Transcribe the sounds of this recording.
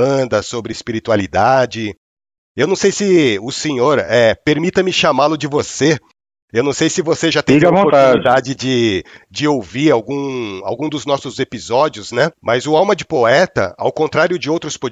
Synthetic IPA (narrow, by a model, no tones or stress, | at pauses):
ɐ̃d̪ɐsobɾɪːspiɾit̪ualid̪ad͡ʒɪ | ewnɐ̃w̃sejsɪʊsẽɲoɾɛpeɾmit̪ɐmɪʃamalʊd͡ʒɪvose | ewnɐ̃w̃sejsɪvoseʒat̪ẽvõɾt̪ad̪ad͡ʒɪd͡ʒɪd͡ʒɪowviɾawɡũa̰wɡũd̪ʊznɔsʊzepizɔd͡ʒiʊznɛmɐzʊawmɐd͡ʒɪpoɛt̪ɐ̰a̰wkõnt̪ɾaɾjʊd͡ʒɪowt̪ɾʊspo